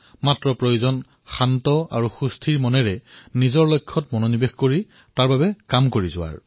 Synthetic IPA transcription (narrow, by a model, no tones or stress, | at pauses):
matɹɔpɹojuzɔn | xantɔa̰ɹuxustʰiɹmɔnɛɹɛnizɔɹlojkʰːɔtmɔnonibexkoɹi | taɹbabɛkamkoɹizʊwa̰ɹ